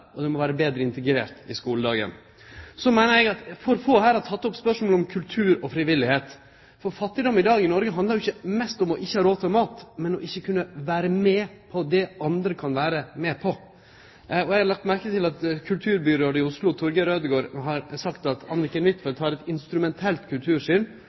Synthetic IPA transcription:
ɔd̪ɛmɔʋæːɾəbeːd̪ɾəɪnt̪ɛɡɾḛːɾt̪ɪskuːləd̪ɑːɡə̰n | sɔmæɪnəɾjɛɡɑt̪fɔɾfoːhæːɾɑt̪ʰɑt̪ːɔpspœʂmoːlɔmkʰʉlt̪ʰʉːɾɔfɾɪʋɪlːɪheːt̪ | fɔɾfɑt̪ːɪd̪ɔmɪd̪ɑːɡɪnɔɾɡəɦɑnd̪əɾjʊɪçːəmɛst̪ɔmɔʔɪçːəhɑːɾoːt̪ʰɛmɑːt̪mɛnɔʔɪçːəkʰʉnːəʋæːɾəmɛpʰɔd̪ɛɑnd̪ɾəkʰɑnʋæːɾəmɛpʰɔ | ɔjɛɡhɑɾlɑk̚t̪mæɾkət̪ɪlɑt̪kʰʉlt̪ʰʉːɾbʏɾəɾɪʊslʊt̪ʰʊɾɡəɾøːd̪əɡoːɾɦɑɾsɑkt̪ɑt̪ɑnːɾɪkːənʋɪt̪ːfɛt̪ʰɑːɾɛt̪ɪnst̪ɾʉmɛnt̪ʰɛlt̪kʰʉlt̪ʰʉːɾʂʏn

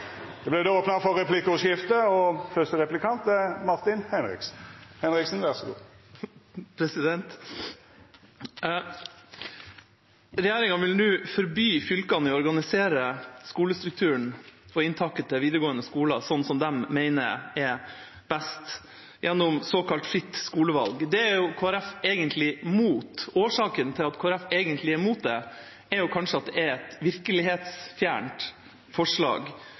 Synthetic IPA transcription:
d̪̥ɛblɛd̪ɛoːpnɑfɔʁːɛpʰlɪkːʊʂɪft̪əɔfœst̪əʁɛplɪkʰɑnt̪əmɑʁt̪ɪnhɛnʁɪ̰ksn̩hɛnʁɪksn̩ʋæʁsɔɡṵː | pʰɾɛsɪd̪ɛnt̪ | ɾɛjeːɾɪŋɑʋɪlnʉːfɔɾbyːfʏlkɑnɔɾɡɑnɪseːɾəskuːləst̪ɾʉk̚t̪ʰʉːəɳɔɪnt̪ʰɑkːət̪ʰɪlʋiːd̪əɾəɡoːənəskuːlɑ̰sɔnːsɔmd̪ɛmːeɪnə̰ɛɾ | b̥æst̪ | jʔɛnːɔmsoːkɑlt̪fɾɪt̪ːskuːləʋɑ̰lɡd̪ɛæɾjʊkʰoːæɾɛfeːɡənt̪ʰlɪmuːt̪oːʂɑːkənt̪ʰɪlɑt̪kʰoːɾæfeɡənt̪ʰlɪæɾmuːt̪̚d̪ɛ | ɛɾjʊkʰɑnʂəɑt̪̚d̪ɛæɾɛt̪ʋɪɾkəlɪɦeːt̪sfjæ̰ːɳʈ | fɔʂɭɑ̰ːɡ

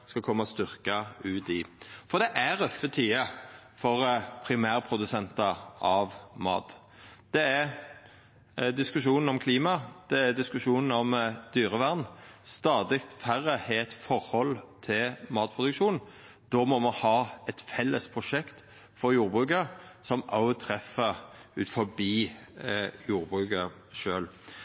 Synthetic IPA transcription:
skɑkʰɔmːɑst̪ʏɾkɑʉːt̪ɪfɔd̪ɛʔæɾœfːət̪ʰiːə | fɔʁpʰɾɪmæːʁpʰɾʊd̪ʉsɛnt̪ɑʔɑʋmɑ̰ːt̪ | d̪̥ɛæ | d̪ɪskʉʂuːnn̩ɔmkʰliːmɑd̪̥ɛæd̪ɪskʉʂuːnn̩ɔmd̪̥yːʁəʋæʁnst̪ɑːd̪ɪkt̪fæʁːəheɛt̪fɔʁhɔlt̪ʰɪlmɑːt̪̚pʰʁʊd̪ʉkʃuːn | d̪̥ɔmɔmɑnhɑːɛt̪fɛlːəspʰʁʊʂɛkt̪ | fɔjuːɾbʁʉːkəsɔmɑʊt̪ʰɾɛfːəʉt̪fɔbiː | juːɾbʁʉːkɑ | ʂøːl

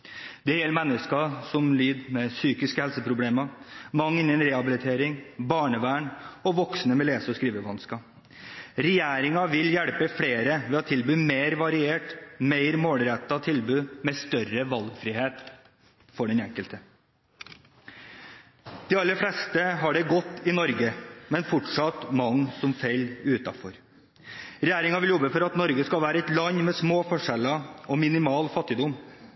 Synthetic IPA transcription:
d̪̥ɛhɛlmɛnːəskɑsɔmlyːd̪mɛsyːkɪskəhɛlsəpʰɾʊbleːmɑmɑŋːɪnənɾɛhɑbɪlɪt̪ʰeːɾɪŋbɑːɳəʋæːɳɔʋɔksnəmɛleːsəɔskɾiːʋəʋɑnskɑ | ɾɛjæːɾɪŋɑʋɪljæɽpəfɽeːɾəʋɛːɑt̪ʰɪlbʉːmeːɾʋɑɾɪeːʈmeɪɾmoːlɾɛt̪ːɑt̪ʰɪlbʉːmɛst̪œɾəʋɑlɡfɾɪːheːt̪ | fɔɖɛnɛŋkəlt̪ə | d̪̥ɛːɑlːəflɛst̪əɦɑɖɛɡɔt̪ːɪnɔɾɡəmɛnfʊʈʂɑt̪mɑŋsɔmfeɪlʉːt̪ɑ̰fɔɾ | ɾɛjæːɾɪŋɑʋɪljɔbəfɔɾɑt̪nɔɾɡəskɑlʋæːɾəɛt̪lɑɲmɛsmoːfɔʂɛlɑɔmɪnɪmɑːlfɑt̪ːɪd̪ʊm

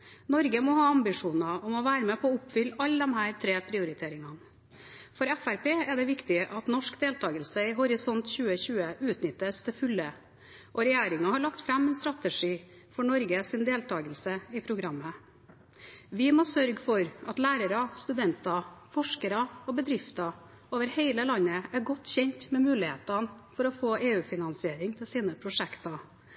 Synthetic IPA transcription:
nɔɾɡəmɔhɑːɑmbɪʂuːnɑɔmɔʋæːɾəmɛpʰɔːʊpfʏlːɑlːəd̪ɔmhæːɾt̪ʰɾeːpʰɾɪʊɾɪt̪ʰeːɾɪŋɑn | fɔɾæfæɾpeːɛd̪ɛʋɪkt̪ɪəʔɑt̪nɔʂkd̪eːlt̪ʰɑːɡəlsəɪɦʊɾɪsɔnt̪çʉːəçʉːəʔʉːt̪nʏt̪ːəst̪ʰɛfʉlːə | ʔɔɾɛjeːɾɪŋɑhɑɭɑkt̪fɾɑmɛnst̪ɾɑt̪əʂiː | fɔɳɔɾɡəsɪnd̪eːlt̪ʰɑːɡəlsəɪpʰɾʊɡɾɑmːə | ʋɪmoːsœɾɡfɔɾɑt̪læːɾəɾɑst̪ʉd̪ɛnt̪ɑfɔʂkəɾɑɔbəd̪ɾɪft̪ɑ | oːʋəɾheɪləlɑnːəæɾɡɔt̪ːçɛɲt̪mɛmʉːlɪhḛːt̪ɑnfɔɾɔfoːʔeːʉːfɪnɑnsɪeːɾɪŋt̪ʰɪlsiːnəpʰɾʊʂɛkt̪ɑ

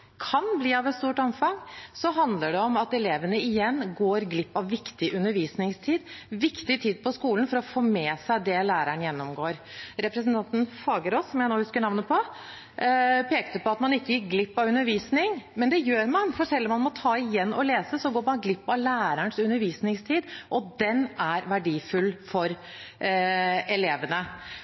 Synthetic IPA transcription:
kʰɑnbliːɑʋɛt̪st̪uːʈɔmfɑŋsɔɦɑnd̪ləɖɛɔmɑt̪ɛleːʋənəɪjɛnːɡoːɾɡlɪpːɑʋːɪkt̪ɪʔʉnːəɾʋiːsnɪŋst̪ʰiːd̪ʋɪkt̪ɪt̪ʰiːd̪̚pʰɔskuːlənfɔɾɔfoːmeːsæɪd̪ɛlæːɾəɳjɛnːɔmɡoːɾ | ɾɛpɾɛsn̩t̪ɑnt̪ən̩fɑːɡəɾosːɔmjæɪnoːhʉskəɳɑʋnəpʰɔ | pʰeːkt̪əpɔɑt̪mɑnɪkːəjɪk̚ɡlɪpːɑʋʉnːəɾʋiːsnɪŋmɛnd̪ɛjøːɾmɑnfɔʂɛlːɔmːɑnmɔt̪ʰɑːɪjɛnːɔleːsəsɔɡoːɾmɑnɡlɪpːɑʋlæːɾəɳsʉnːəɾʋiːsnɪŋst̪ʰiːd̪ʔɔd̪ɛnæɾʋæɖiːfʉlːfɔɾ | ɛleːʋənə

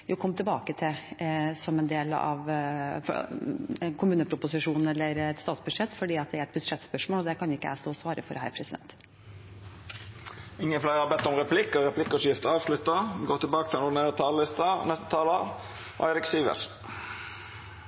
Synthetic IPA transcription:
jʊkʰɔmːt̪ʰɪbɑːkət̪ʰɪsɔmɛnd̪eːlɑ̰ʋf | kʰʊmʉːnəpʰɾʊpʊsɪʂuːnn̩ɛlːəɾɛt̪st̪ɑːt̪sbʉd̪ʂɛt̪ːfɔɖiːɑt̪̚d̪ɛæɾɛt̪bʉd̪ʂɛt̪spœʂmoːlɔd̪ɛkʰɑnɪkːəæ̰st̪oːsʋɑːɾəfɔɾhæ̰ɪɾpʰɾɛsɪd̪ɛ̰nt̪ | ɪŋːənflæɪɾɑbɛt̪ːɔmʁɛpʰlɪkːəɾɛpʰlɪkːɔsjɪft̪əɑːʋʂlʉt̪ːəɡoːt̪ʰɪlbɑːkət̪ʰɪlɛnʊɖ̪ɪneːɾət̪ʰɑːləlɪst̪ɑnɛst̪ə̥t̪ʰɑːlə | ʔæ̰ɪɾɪksiːʋə̰s

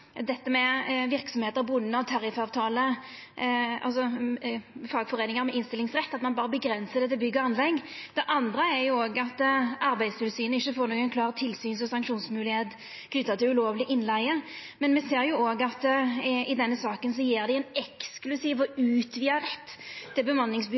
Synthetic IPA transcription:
d̪ɛt̪ːəmɛʋɪɾksɔmheːt̪əbʊnːəɔt̪ʰɑɾɪfɑːʋt̪ʰɑːlə | ɑ̰lsɔ | fɑɡfɔʁeːnɪŋəɾmɛʔɪnst̪ɪlɪŋsʁɛt̪ːɑt̪mɑnbɑːɾəbəɡɾɛnsəd̪ɛt̪ɪlbʏɡːəɑnlɛɡːd̪̥ɛʔɑnd̪ʁəæɾjʊoːɡɑt̪ːɑɾbæɪst̪ɪlsyːnəɪçːəfoːɾnɔːɡɛnkʰlɑːʁt̪ʰɪlsyːnsɔsɑŋkʂuːnsmʉːlɪheːt̪ | ɡ̥nʏt̪ːət̪ɪlʉloːʋlɪʔɪnlæɪəmɛnmɛseːʁjʊoːɡɑt̪ɪd̪ɛnːəsɑːkəns̬ɔjeːʁd̪ɛɛnɛksklʉsiːʋɔʉːt̪ʰʋɪːɑɾɛt̪ːɪlbəmɑnlɪŋsb

